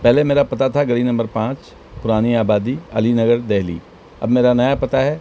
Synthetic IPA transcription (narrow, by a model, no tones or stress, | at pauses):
pɛɦlemeːɾapɐt̪at̪ʰaɡɐɽinɐmbəɾpãːt͡ʃ | pʊɾaːniaːbaːd̪iɐ̰linɐɡəɾd̪ɛɦlḭː | ɐ̰bmeːɾanɐjapɐt̪aɦɛː